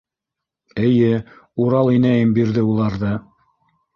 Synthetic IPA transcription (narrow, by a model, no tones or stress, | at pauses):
ɘ̆jɘuɾɑlˠinæjɘmbiɾðɘulˠɑɾðɤ